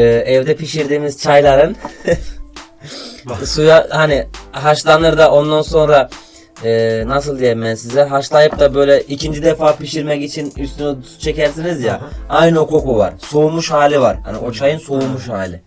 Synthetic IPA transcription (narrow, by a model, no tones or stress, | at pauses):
ɯːɛvd̪ɛpʰiʃiɾd̪iːmiz̥t͡ʃʰajlˠaɾɯn | sujahaniɦaʃlˠanˠɯɾd̪aʔo̞nd̪anso̞nɾa | ɯːnasɯlˠd̪ijɛmɛnsizlʲɛɾɦaʃlˠaːjɯp̚t̪abø̞jlʲɛʔicʰind͡ʒid̪ɛfaːpʰiʃiɾmɛcit͡ʃʰinyst̪ʰyny | t͡ʃʰe̞cæɾsinizjaajnɯo̞kʰo̞kuva̰ɾ̥soumuʃhaːlʲivaɾ̥ha̰nḭʔo̞t͡ʃʰajɯnsoumuʃhaːlʲɪ